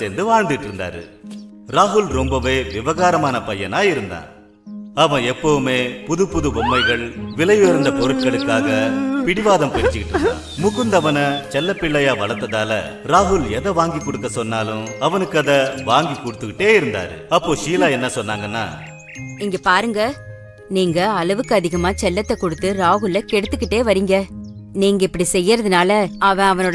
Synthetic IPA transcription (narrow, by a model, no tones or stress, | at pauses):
seːnd̪ɯʋaːɻnd̪ɯɣɪʈːɪɾɯnd̪a̰ːɾɯ̰ | ɾaːɦʊlɾɔmbɐʋeːʋɪʋɐɣaːɾɐmaːnɐpɐjːɐnaːɪɾɯnd̪a̰ːn | ɐʋɐ̃ɛpːɐʋɯmeːpʊðɯpːʊðɯbɔmːɐɪɣɐɭʋɪlɐjoɾɯnd̪ɐpɔɾɯʈkɐɭɯkːaːɣɐpɪɽɪʋaːðɐmpɛɾɪt͡ʃːɯkɪʈːɾɯnːd̪a̰ːnmʊɣɯnd̪ɐʋɐnɐt͡ʃɛlːɐpːɪɭːɐjaːʋɐɭɐt̪ːɐðaːlɐ̰ | ɾaːɦʊlɛðɐʋaːŋɡikːɔɽɯkːɐsɔnːaːlɯ̃ɐʋɐnɯkːɯɐðɐʋaːŋɡikːɔɽɯt̪ːɯkːɪʈːeːɪɾɯnd̪a̰ːɾɯ̰ɐpːoːʃiːlaːɛnːɐsɔnːaːŋɡɐnːa̰ː | ɪŋɡɐpaːɾɯŋɡɐ | niːŋɡɐːlɐʋɯkːɯɐðɪɣɐmaːt͡ʃɛlːɐt̪ːɐkːɔɽɯt̪ːɯɾaːɦʊlɐkɛɽɯt̪ːɯkːɪʈːeːʋɐɾiːŋɡɐ | niːŋɡɐɪpːɐɽisɛjːɪɾɐðɯnaːlɐɐʋɐ̃ɐʋɐnoːɽ